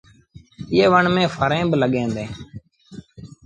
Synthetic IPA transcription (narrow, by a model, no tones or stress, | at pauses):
ɪeːʋəɳmẽːfʰəɾẽːbləɠẽːnd̪ẽː